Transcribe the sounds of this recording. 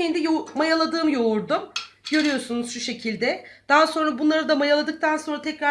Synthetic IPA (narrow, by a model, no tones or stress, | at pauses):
end̪ijomajalˠad̪ɯːmjo̞uɾd̪umɟø̞ɾyjo̞sunuzʃuʃe̞cʰilʲd̪ɛd̪̥aɦaso̞nɾabunlˠaɾɯd̪amajalˠad̪ɯk̚t̪ʰanso̞nɾat̪ʰɛcɾa